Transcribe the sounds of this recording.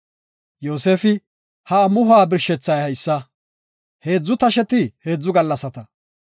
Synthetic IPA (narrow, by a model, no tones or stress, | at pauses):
jo̞ːse̞ːfɪ | hɐːmʊhaːbɪɾʃɛt͡sːɐjhɐjsːɐ | he̞ːd͡zːʊt̪ɐʃɛt̪ɪhe̞ːd͡zːʊɡɐlːɐsɐt̪ɐ